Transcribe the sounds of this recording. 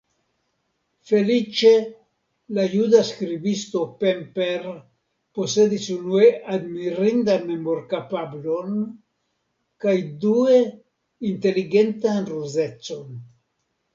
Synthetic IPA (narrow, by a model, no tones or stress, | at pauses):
fe̞lit͡ʃe̞ | lajudaskɾibist̪o̞pempeɾ | po̞se̞disunueʔad̪miɾind̪anmemo̞ɾkapablo̞n | kajdue̞ | inte̞liɡe̞nt̪anɾuzet͡so̞n